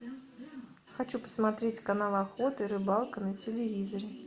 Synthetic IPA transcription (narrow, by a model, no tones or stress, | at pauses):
xat͡ɕupə̥smat̪ɾʲetʲkanalˠaxot̪ɨɾɨbalˠkənət͡sʲɪlʲɪvʲizəɾʲɪ